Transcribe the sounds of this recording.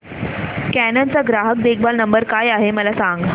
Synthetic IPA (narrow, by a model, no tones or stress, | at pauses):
kænãnt͡saɡɾaɦək̚d̪ekʰbalnəmbəɾkajaɦeməlasãŋɡ